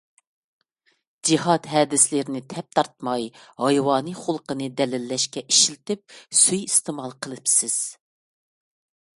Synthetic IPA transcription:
d͡ʒiɦɑt̪ɦɛːd̪ɪslɪɾɪnɪt̪ʰɛp̚t̪ʰɑɾt̪̚mɑjhɑjwɑːnɨχʊlˠqənɨd̪ɛlɪlːɛʃkʲɛʔiʃilt̪ɪp̚syjist̪ɨmɑlˠqʰəlˠɨpsɪz̥

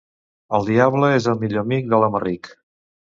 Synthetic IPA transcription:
əlˠd̪iaβləezəlˠmiʎoəmik̚d̪ələmərik

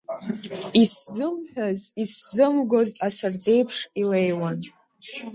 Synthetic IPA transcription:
iszɨmħᶣaziszɨmɡo̞zasard͡ze̞jpʰʂilejwan

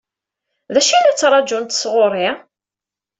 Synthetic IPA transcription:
ðæʃilæt͡sːɾˤɑd͡ʒunt̪sʁʊɾˤi

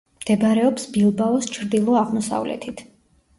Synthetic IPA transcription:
md̪̥ɛbaɾɛɔpsbilˠbaɔst͡ʃʰɾd̪ilˠɔaʁmɔsa̰vlɛ̰t̪ʰit̪ʰ

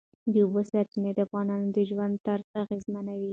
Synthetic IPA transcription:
d̪əubosat̪əned̪əafɣɑnɑnod̪əʒwand̪t̪aɾzaɣezmanawi

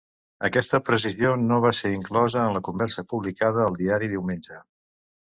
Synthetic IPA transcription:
əkɛst̪əpɾəs̬izionoβ̞aseɾiŋklɔzəːnləkumbɛɾsəpuβlikaðəːlˠd̪iaɾiðiwmenʲd͡ʒə

